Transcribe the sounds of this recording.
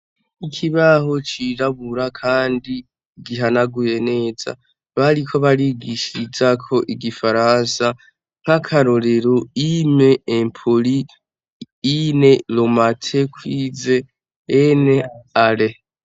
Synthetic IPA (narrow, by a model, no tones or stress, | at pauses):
ikʰiβahot͡ʃiɾaβuɾakʰaːndi | ɡiɦanaɡuje̞ne̞ːza̰ | βaɾikʰo̞βaɾiɡiʃiɾid͡ʒakʰo̞ʔiɡifaɾaːnsa | ŋ̥hakʰaɾo̞ɾeɾoime̞ːmpʰoliː | ne̞lomatʰe̞kwiːze̞ | ene̞ale